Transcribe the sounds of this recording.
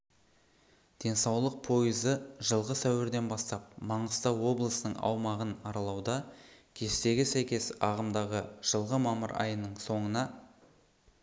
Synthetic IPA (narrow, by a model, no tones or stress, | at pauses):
d̪̥e̞nsɑwlˠəq̚pʰo̞jəzəʒəlˠʁəsæwɪɾd̪e̞nbɑst̪ɑp̚mɑɴəst̪ɑwo̞blˠəsənəɴɑ̰wmɑʁənɑɾɑlˠɑwd̪ɑkʲʰe̞st̪e̞ɡʲɪsæjkʲe̞sɑʁəmd̪ɑʁəʒ̥əlˠʁəmɑməɾɑ̰jənəɴso̞ɴənɑ